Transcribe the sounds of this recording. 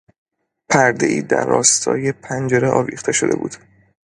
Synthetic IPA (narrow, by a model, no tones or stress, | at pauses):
pʰæɾd̪e̞̰iːd̪æ̰ɾːɒːst̪ʰɒ̰ːje̞pʰænd͡ʒeɾeʔɒːviːχt̪ʰe̞ʃo̞d̪e̞̰bṵːd̪̥